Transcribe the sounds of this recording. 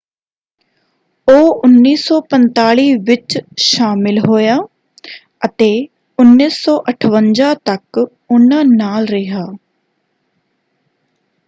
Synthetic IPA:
oːʊnːiːsɔːpənt̪aːɭiːʋɪt͡ʃʃaːmɪlɦoːjaː | ət̪eː | ʊnːiːsɔːʔəʈʰʋənd͡ʒãːt̪ək | ʊnãːnaːlɾɪɦaː

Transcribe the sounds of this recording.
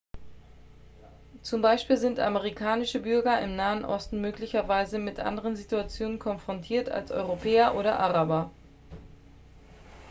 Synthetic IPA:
t͡sʊmbaɪʃpiːlzɪntʔa̰məʁikʰaːnɪʃəbʏɐɡɐʔɪ̰mnaːənʔɔ̰stn̩møːklɪçɐvaɪzəmɪtʔa̰ndəʁ̞ənzituat͡sjoːnənkʰɔnfʁ̥ɔntʰiːɐtʰa̰lsʔɔ̰ʏʁopʰɛːɐʔoːɾɐ̰ʔaʁabɐ

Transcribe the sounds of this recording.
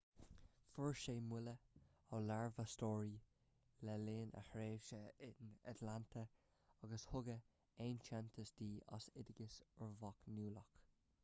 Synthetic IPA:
fəɹʃeːmwɪləɔlaɹvəstɔːɹi | lɛleːnʔə̰hɹeːʃəɪna̰tlantʰə | ɑɡəshʊɡə | eːnt͡ʃɛnt̪ʰəsd̪iːʔɑ̰sɪdɪɡəsəɹvɔknuːlɔk

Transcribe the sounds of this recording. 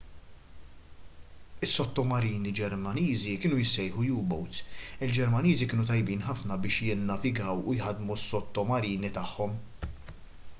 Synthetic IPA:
ɪsːɔt̪ːɔmɐɾiːnid͡ʒɛɾmɐniːzikɪːnujɪsɛjħujuːbɔwt̪ɪld͡ʒɛɾmɐniːzikɪːnut̪ɐjbiːnħɐfnɐbɪːʃjɪnːɐvɪɡɐwʊjħɐd̪musːɔt̪ːɔmɐɾiːnit̪ɐħːɔm

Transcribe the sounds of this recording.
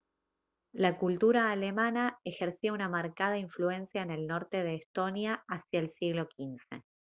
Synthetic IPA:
lakult̪uɾaːle̞mãnaexeɾsiounamaɾkaðaiɱflue̞nsjaene̞lno̞ɾt̪e̞ðeːst̪o̞njaasjaelsiɣlo̞kinse̞̰

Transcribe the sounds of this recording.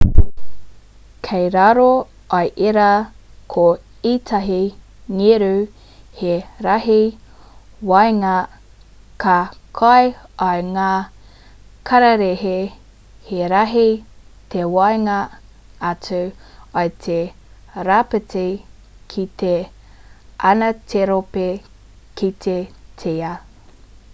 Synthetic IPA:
kʰejɾaɾo | ʔɐjʔeɾakʰo | itʰaɦi | ŋeɾʉ | heɾɐɦi | wɐjŋa | kʰɐkʰɐjɐjŋaː | kʰɐɾɐɾehe | heɾaɦit̪ʰewɐjŋɐ | ɐtʰuajt̪ʰe | ɾapetʰe | kʰit̪e | ʔɐnɐtʰeɾope | kʰit̪ʰetʰeɐ

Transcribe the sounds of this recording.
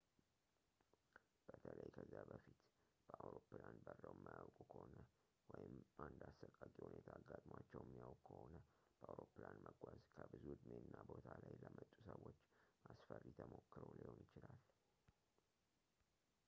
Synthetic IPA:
b̥ət̪ʰələjkʰəzːabəfit̪ | b̥əʔawɾopːlanbərːəwmːajawkʼukʰəhonə | wɔjɪmʔand̪asəkʼːakʼihunet̪ʰaːɡːat̪ʼmwat͡ʃːɛwjɛmːijawkkʰəhonəb̥əʔawɾopːlanməɡʷazkʰəbɨzuhɨd̪menːabo̞t̪ʰalajləmət̪ʼːusəwːo̞t͡ʃːmasfərːit̪ʰəmo̞kːɨɾolihonɪt͡ʃɪlal

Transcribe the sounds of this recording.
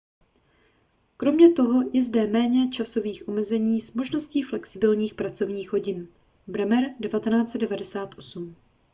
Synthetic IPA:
kɾo̞mɲɛt̪o̞ɦo̞jɛzdɛmɛːɲɛt͡ʃaso̞viːxʔomɛzɛɲiːzmo̞ʒno̞sciːflɛksɪbɪlɲiːxpɾat͡so̞vɲiːxɦo̞ɟɪn | bɾɛmɛɾdɛvat̪ɛnaːt͡sɛd̚dɛvadɛsaːt̪ʔo̞sum

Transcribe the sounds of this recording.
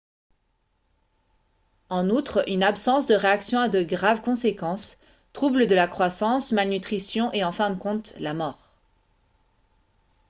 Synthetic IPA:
ɑ̃nut̪χynapsɑ̃sd̪əʁeaksjɔ̃ad̪əɡʁavkɔ̃sekɑ̃s | t̪χubləd̪əlakχwasɑ̃smalnyt̪χisjɔ̃ʔeɑ̃fɛ̃d̪əkɔ̃t̪lamɔːʁ

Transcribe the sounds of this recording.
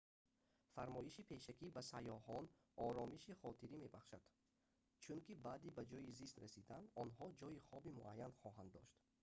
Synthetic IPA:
faɾmɔiʃipʰe̞ʃakʰibasajɔhɔn | ɔɾɔmiʃiχɔt̪ʰiɾime̞baχʃad̪̥ | t͡ʃʰuŋkibad̪ibad͡ʒɔjizist̪ɾasid̪and̪ɔnhɔd͡ʒɔiχɔbimuʔajːanχɔɦand̪ːɔ̰ʃt̪

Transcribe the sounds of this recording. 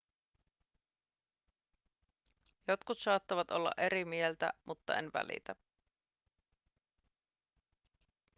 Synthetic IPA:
jot̪kut̪sɑːt̪ːɑʋɑt̪ʔolːɑ̰ʔe̞ɾimielt̪æ̰mut̪ːɑenʋæ̰lḭt̪æ

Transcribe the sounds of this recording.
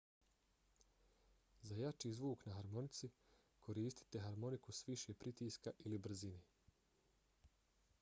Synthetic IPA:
zajat͡ʃiːzʋuːknaɦaɾmo̞nit̪si | kʰo̞ɾiːst̪i̥t̪e̞ɦaɾmo̞nikusʋiʃepɾit̪iːskaʔilibr̩zine

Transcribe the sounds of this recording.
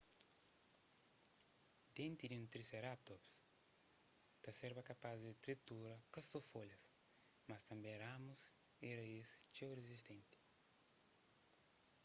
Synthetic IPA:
d̪ẽnt̪id̪iũnt̪ɾiseɾap̚t̪ops | t̪ɐseɾbɐkɐpazd̪it̪ɾit̪uɾɐkɐsofolɐs | mɐst̪ɐ̃mbẽramus | iɾɐist͡ʃewrezist̪ẽnt̪i̥

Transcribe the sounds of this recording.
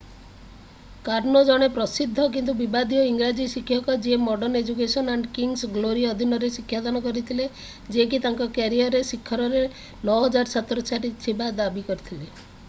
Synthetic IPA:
kaɾnɔd͡ʒɔɽ̃epɾɔsid̪ʱːɔk̬int̪ubibad̪iɔiŋɡɾad͡ʒisikʰːjɔkɔd͡ʒiemɔɖɔɾned͡ʒuk̬esɔnaɳɖkiŋsɡloɾiɔd̪ʱinɔɾesikʰjad̪ɔnɔkɔɾit̪ʰile | d͡ʒiek̬it̪aŋkɔkaɾiɔɾesikʰːɔɾɔɾe | nɔɦɔd͡ʒaɾsat̪ɔɾɔt͡ʃaɾit̪ʰibad̪abikɔɾit̪ʰile

